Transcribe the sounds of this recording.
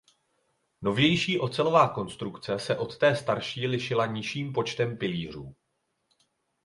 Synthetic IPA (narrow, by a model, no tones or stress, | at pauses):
no̞vjɛjʃiːʔo̞t͡sɛlo̞vaːko̞nst̪ɾukt͡sɛsɛʔo̞t̪ːɛːst̪aɾʃiːlɪʃɪlaɲɪʃiːmpo̞t͡ʃt̪ɛmpɪliːr̝uː